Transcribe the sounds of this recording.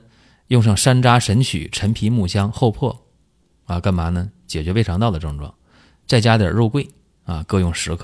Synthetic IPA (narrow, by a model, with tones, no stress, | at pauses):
jʊ˥˧ŋʂ̬ɑ˥˩ŋʂa˥nʈ͡ʂa˥ʂə˧˥nt͡ɕʰy̰˨˩˦ʈ͡ʂʰə˧˥npʰi˧˥mu˥˩ɕjɑ˥ŋxo˥˧ʊpʰwɔ˥˩ | a˧ka˥nma˧˥nə˧t͡ɕjɛ˨˩t͡ɕɥɛ˧˥fe˥ɪʈ͡ʂʰɑ˧˥ŋt̪ɑ˥˩ʊd̪ə˩ʈ͡ʂɤ˥˧ŋʈ͡ʂwɑ̰˥˩ŋ | t͡sa˥˩ɪt͡ɕja˥d̪jə̰˨˩ɻu˥˧kwe˥˩ɪ | a˧kɤ˥˧jʊ˥˩ŋʂɻ̩˧˥kʰ